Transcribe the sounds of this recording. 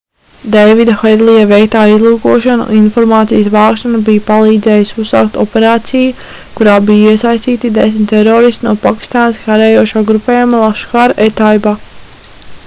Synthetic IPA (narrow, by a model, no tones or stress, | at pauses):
d̪ɛjvid̪axed̪lˠijavɛjk̚t̪aːizlˠuːkuɔʃanṵʔinfɔɾmaːt̪sijəsvaːkʃanabijpalˠiːd̪zɛːjɪsusːa̰wk̚t̪ɔpeɾaːt̪siju | kuɾaːbijiɛsajst̪iːt̪id̪es̬mʲt̪ɛɾoːɾist̪inuɔpakʲi̥st̪aːnəskaɾɛːjuɔʃaːɡɾupɛːjumalˠaʃkaɾet̪ajba